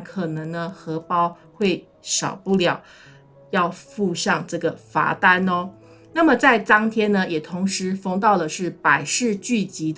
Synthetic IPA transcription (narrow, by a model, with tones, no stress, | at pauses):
kʰɤ˨˩nɤ˧˥ŋnə˧xɤ˧˥pɑ˥ʊ | xwe˥˩ɪ | ɕjɑ̰˨˩ʊpu˥˩ljɑ˨˩˦ʊ | jɑ˥˧ʊfu˥˧ɕjɑ˥˧ŋʈ͡ʂɤ˥˩ɡə˩fa̰˧˥t̪a˥nɔ˧ | na˥˩mə˩t͡sa˥˩ɪt͡sɑ˥ŋt̪ʰjɛ˥nə˧jɛ˨˩t̪ʰʊ˧˥ŋʂɻ̩˧˥fɤ˥ŋt̪ɑ˥˩ʊlə˩ʂɻ̩˥˩pa˨˩ɪʂɻ̩˥˧t͡ɕy˥˩t͡ɕi˧˥d̪